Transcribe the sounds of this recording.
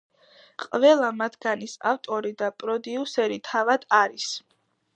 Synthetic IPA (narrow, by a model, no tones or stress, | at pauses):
qʼvɛlˠamat̪ʰɡanisa̰ft̪ʼɔɾid̪apʼɾɔd̪iusɛɾit̪ʰavad̪̥aɾis